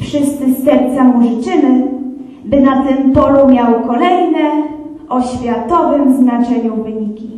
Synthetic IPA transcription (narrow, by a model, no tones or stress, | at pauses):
fʂɘst̪sɘsɛɾt̪samulʲit͡ʂɘmɘ | bɘnat̪ɘmpɔlumʲjawkɔlɛjnɛ | ɔɕfʲjat̪ɔvɘmznat͡ʂɛɲuvɘɲikʲi